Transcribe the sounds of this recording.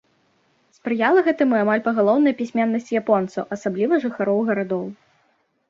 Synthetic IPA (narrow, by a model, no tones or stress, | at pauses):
spɾɨjalˠɐɣɛt̪ɨmɨamalʲpɐɣalˠɔwnɐjɐpʲisʲmʲɛnːɐsʲt͡sʲjapɔnt̪sɐwʔɐsablʲivɐʐɨxaɾɔwɣɐɾad̪ɔw